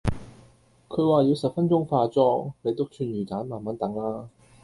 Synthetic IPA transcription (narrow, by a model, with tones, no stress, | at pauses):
kʰɵ˨˧ɥwaː˨˩jiː˨˧wsɐ˨p̚fɐ˥nt͡sʊ˥ŋfaː˧t͡sɔː˥ne˨˧jt̪ʊ˥w̚t͡ʃʰyː˧nɥyː˨˩kaː˨˥nmaː˨˩nmɐ˨˥nt̪ɐ˨˥ŋlaː˥